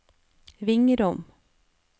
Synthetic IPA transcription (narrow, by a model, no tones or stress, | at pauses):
vɪŋəɾɔm